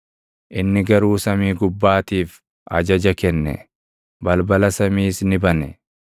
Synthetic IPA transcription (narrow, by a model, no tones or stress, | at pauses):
ʔɪnːɪɡɐɾuːsɐmiːɡʊbːaːt̪iːf | ʔɐ̰d͡ʒɐd͡ʒɐkɛnːɛ̰ | bɐlbɐlɐsɐmiːsnɪbɐnɛ